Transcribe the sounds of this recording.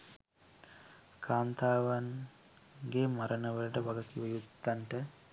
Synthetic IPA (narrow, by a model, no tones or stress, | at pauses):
kʰaːnt̪ʰaːʋan | ɡeːmaɾʔənəʋələʈəʋɐɡək̪iʋəjut̪ːaɳʈə